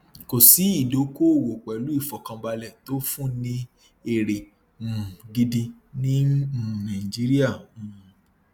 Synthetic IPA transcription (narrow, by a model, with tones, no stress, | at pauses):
ko˨si˨˦i˦˨do˨˦ko˦˨wo˨k͡pɛ˨lu˦i˦˨fɔ˨kã˧ba˧lɛ˨to˦fũ˦˨nĩ˦ | e˧ɾẽ˨ | ɡi˧di˧nĩ˦˨nã˨i˨d͡ʒi˦ɾi˦ã˦˨